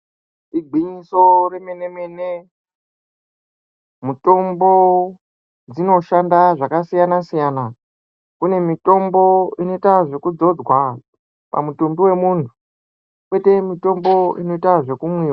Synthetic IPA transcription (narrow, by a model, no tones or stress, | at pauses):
iɡʱiɲiso̞re̞me̞ne̞me̞ne | muto̞mbo̞ | d͡zino̞ʃandaʐakasijanasijana | kune̞mito̞mbo̞ino̞itaʐe̞kud͡zo̞d͡zwa | pa̰mutumbiwe̞muːntʰu̥ | kwe̞te̞mito̞mbo̞ḭno̞itaʐe̞kumwiːwa